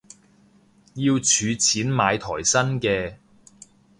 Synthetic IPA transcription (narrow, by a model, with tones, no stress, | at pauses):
jiː˧wt͡ʃʰyː˨˧t͡sʰiː˨˥nmaː˨˧jt̪ʰɔː˨˩jsɐ˥nkɛː˧